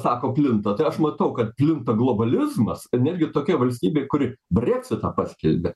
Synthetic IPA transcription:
sɑːkoːpʲlʲɪnt̪ɐt̪ɐɪɐʃmɐt̪ɐʊkɐt̪̚pʲlʲɪnt̪ɐɡlˠoːbɐlʲɪzmɐsnʲɛd̪ʲɡʲɪt̪oːkʲɛʋɐlʲsʲt̪ʲiːbʲeɪkʊɾʲɪbʲrʲɛːksʲɪt̪ɐpɑsʲkʲɛlʲbʲe

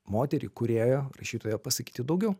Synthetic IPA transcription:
moːt̪ʲɛɾʲḭkʊɾʲeːjoːɾɐ̰ʃʲiːt̪oːjoːpɐsɐkʲi̥ːt̪ʲɪd̪ɒʊɡʲɛʊ

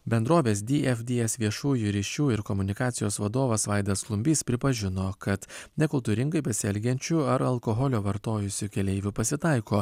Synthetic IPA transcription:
bʲɛnd̪ɾoːʋʲeːsd̪ʲiʔɛfd̪ʲiɛsʋʲiɛʃuːjuːɾʲiːʃʲuːɪɾkɔmʊnʲɪkɑːt̪sʲɪjoːsʋɐd̪oːʋɐsʋɑɪd̪ɐsklˠʊmʲbʲiːspʲɾʲɪpɐʒʲɪnoːkɐt̪nʲɛkʊlˠt̪uːɾʲɪŋɡɐɪpɐsʲɛlʲɡʲɛnʲt͡ʃʲuɐɾɐlˠkɔɦɔlʲoːʋɐɾt̪oːjʊsʲʊkʲɛlʲɛɪʋʲʊpɐsʲɪt̪ɑˑɪkoː

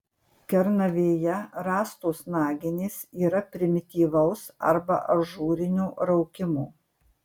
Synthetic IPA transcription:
kʲɛɾnɐʋʲeːjɛɾɑːst̪oːsnɑːɡʲɪnʲeːsiːɾɐpʲɾʲɪmʲɪt̪ʲiːʋɐʊsɐ̰ɾbɐ̰ʔɐʒuːɾʲɪnʲuːɾɐʊkʲɪmuː

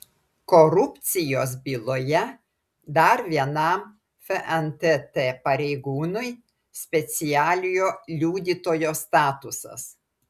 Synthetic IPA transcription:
kɔɾʊpʲt̪sʲɪjoːs̬bʲilˠoːjɛ | d̪ɐɾʋʲiɛnɐˑm | fʲɛʔɛnt̪et̪eːpɐɾʲɛɪɡuːnʊj | sʲpʲɛt̪sʲɪjæːlʲɪjoːlʲuːd̪ʲiːt̪oːjoːst̪ɑːt̪ʊsɐ̰s

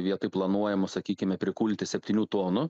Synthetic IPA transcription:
ʋʲiɛt̪ɐɪplˠɐnuɔjɛmʊsɐkʲiːkʲɪmʲɛpʲɾʲɪkuːlʲt̪ʲɪsʲɛpʲt̪ʲiːnʲuːt̪oːnʊ

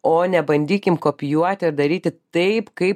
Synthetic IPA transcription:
oːnʲɛbɐnʲd̪ʲiːkʲɪmkoːpʲɪjuɔt̪ʲɪɪɾd̪ɐɾʲiːt̪ʲɪt̪ɐɪpkɐɪp

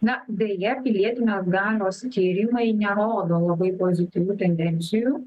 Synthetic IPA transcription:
nɐd̪ʲɛjɛpʲɪlʲiɛt̪ʲɪnʲeːsɡɑːlʲoːst̪ʲiːɾʲimɐɪnʲɛɾoːd̪oːlˠɐbɐɪpoːzʲɪt̪ʲiːʋʲuːt̪ʲɛnʲd̪ʲɛnʲt̪sʲɪjuː

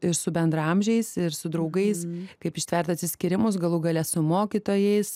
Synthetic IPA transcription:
ɪɾsʊbʲɛnd̪ɾɐɐmʲʒʲɛɪssɪɾsʊd̪ɾɐʊɡɐɪskɐɪpɪʃʲt̪ʲʋʲɛɾt̪ɐt̪ʲsʲɪsʲkʲɪɾʲɪmʊsɡɐlˠuːɡɐlʲɛsʊmoːkʲɪt̪oːjɛɪs

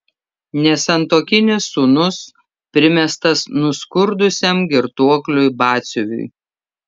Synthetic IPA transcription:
nʲɛsʲɛnt̪oːkʲɪnʲɪsːuːnʊs | pʲɾʲɪmʲɛst̪ɐsnʊskʊɾd̪ʊsʲɛmɡʲɪɾt̪uɔklʲʊɪbɑːt̪sʲʊʋʲʊ̰ɪ

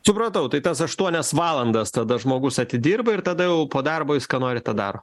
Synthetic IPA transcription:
sʊpɾɐt̪ɐʊt̪ɐɪt̪ɐsɐʃt̪uɔnʲɛsʋɑːlˠɐnd̪ɐst̪ɐd̪ɐʒmoːɡʊsɐt̪ʲɪd̪ʲiːrbɐɪɾt̪ɐd̪ɐjɛʊpoːd̪ɑrboːʋʲɪskɐnoːɾʲɪt̪ɑːd̪ɑ̰ːɾoː

